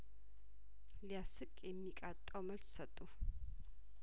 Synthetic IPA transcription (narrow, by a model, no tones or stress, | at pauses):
lijasɨkʼjɛmːikʼat̪ʼːəwməlt̪sət̪ʼːu